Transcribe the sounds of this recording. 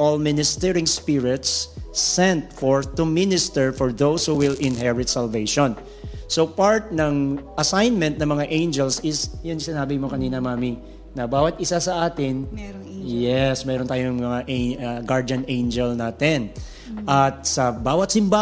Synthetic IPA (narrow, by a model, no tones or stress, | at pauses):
ʔolmɪnɪst̪ɛɹɪ̃ŋspɪɹɪt̪sːɛ̃nt̪̚fɔɹt̪ʊmɪnɪst̪ɛɹfɔɹðowshuwɪlʔɪ̃nɦɛɹɪt̪̚sɐlvejʃɔ̃n | sopaɹt̪̚nɐŋʔɐsajnmɛ̃nt̪̚nɐŋmɐŋaʔẽjnd͡ʒɛlsɪsjʊnsɪnaːbɪmokɐniːnɐmaːmi | nɐbaːwɐt̪̚ʔɪsasɐʔaːt̪ɪn | jɛsmɛːɾont̪aːjoŋmɐŋaʔeaɡaɹd͡ʒɐnẽjnd͡ʒɛlnaːt̪ɪn | ʔɐt̪̚sɐbaːwɐt̪sɪmba